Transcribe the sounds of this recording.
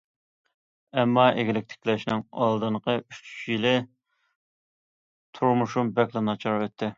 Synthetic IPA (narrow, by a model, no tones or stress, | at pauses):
ɛmːɑʔeɡʲɪlɪk̚ʲt̪ʰɪ̥kʲlɛʃnɪŋɑ̰lˠd̪ɨɴqəyt͡ʃʰy̥t͡ʃjilɪ | t̪ʰuɾmuʃumbɛkʲlˠɪnɑt͡ʃʰɑɾwɛt̪ʰːɪ